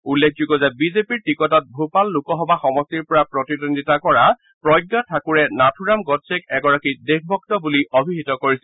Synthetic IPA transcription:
ulːek̚ʰd͡ʒuɡɔzɛbizepiɹʈikɔtɔt̚bʱupalːukɔɦɔbaxɔmɔstiɹpɔɹapɹɔtidɔnditakɔɹa | pɹɔjɡːatʰakuɹɛnatʰuɹamɡɔtsekɛɡɔɹakidek̚ʰbʱɔk̚tɔbuliobʱiɦitɔkoɹisɛ

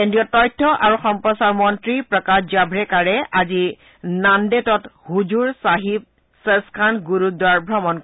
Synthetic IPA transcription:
kendɹijɔtɔjtʰːɔʔaɹuxɔmpɹɔsaɹmɔntɹipɹɔkad͡ʒabʱɹɛkaɹɛʔazi | nandetɔthuzuɹsaɦip̚ | seskʰanɡuɹudwaɹbʱɹɔmɔnk

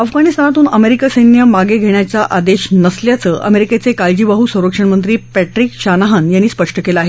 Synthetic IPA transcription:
əfɡʱanist̪anat̪uːnəmeɾikasəjnjəmaɡeɡʱeɳjat͡ɕaʔad̪eɕnəsljat͡səʔə̰meɾiket͡sekald͡ʑiʋaɦusə̃w̃ɾəkʂəɳmənt̪̬ɾiːpæʈɾikɕanaɦənjanːiːspəʂʈəkelaaɦe

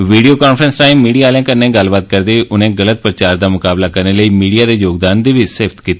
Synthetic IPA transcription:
ʋiːɖijoːkaːnfʰɾənsʈaːimːiːɖijaːlãːkənːẽːɡəlbaːt̪̚kəɾd̪eːʔʊnẽːɡələt̪̚pɾət͡ʃaːɾd̪aːmʊkaːblaːkəɾneːləiːmiːɖijaːd̪eːjoːɡd̪aːnd̪eːʋɪseːpt̪kiːt̪eː

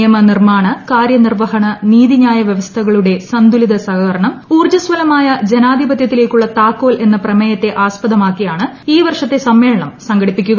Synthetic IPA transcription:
jɐmɐnirmaːɳɐkaːɾjɐnirʋɐɦɐɳɐniːðiɲaːjɐʋjɐʋɐst̪ʰɐɣɐɭuɽe̞sɐnd̪uliðɐsɐɣɐɾɐɳɐmuːrd͡ʑɐsʋɐlɐmaːjɐd͡ʑenaːd̪ʱibɐt̪jɐt̪ːile̞ːkʲːuɭːɐt̪aːkːo̞ːle̞nːɐprɐmɐjɐt̪ːe̞ʔaːspɐðɐmaːkːijaːɳɨiːʋɐrʂɐt̪ːe̞sɐmːe̞ːɭɐɳɐmsɐŋɡɐɽipːikʲːuɣɐ

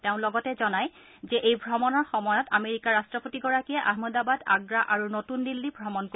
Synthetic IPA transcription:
teʊ̃lɔɡɔtɛzɔnaj | zɛʔejbʱɹɔmɔnɔɹxɔmɔjɔtameɹikaɹastɹɔpotiɡɔɹakiɛʔaɦmɔdabada̰ɡɹaʔaɹunotundilːibʱɹɔmɔnk

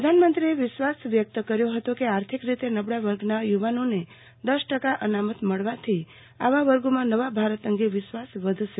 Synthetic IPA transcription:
pɾəd̪ʱanmənt̪ɾieʋɪʃʋasʋjək̚t̪əkəɾjoɦət̪okeaɾt̪ʰikɾit̪enəbɽaʋəɾɡnajuʋanone | d̪əʃʈəkaʔənamət̪məɭʋat̪ʰi | a̰ʋaʋəɾɡomãnəʋabʱaɾət̪əŋɡeʋɪʃʋasʋəd̪ʱʃe

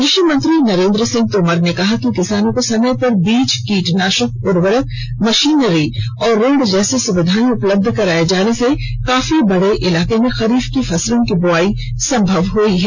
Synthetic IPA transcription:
ɾɪʃəmə̃nt̪ɾinɐɾẽːnd̪ɾəsɪ̃ŋɡ̚t̪oːməɾnekɐɦakikɪsaːnõkosɐməjpɐɾbiːt͡ʃkiːʈnaːʃək̚pʊɾʋəɾət̪ | mɐʃiːnɾiɔːɾːeːɖd͡ʒɛːsesʊʋɪd̪ʱaːniʊpləb̚d̪ʱkɐɾaːed͡ʒaːnese | kaːfibɐɽeʔɪlaːkemẽxɐɾiːfkifʰɐslõkiboaːi | sɐ̃mbʱəʋɦoiɦɛː

